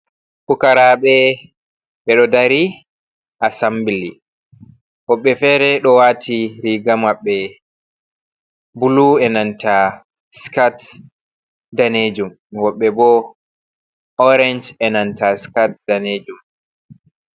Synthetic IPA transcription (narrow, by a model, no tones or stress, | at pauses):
kukaɾaːɓɛ | ɓɛɗɔdaɾi | ʔasambili | wɔɓːɛfɛːɾɛɗɔwatʰiɾiɡamwaɓːɛ | buluɛnanta | skat | daned͡ʒum | wɔɓːɛbɔ | ɔɾɛnd͡ʒɛnantaskat̚daned͡ʒum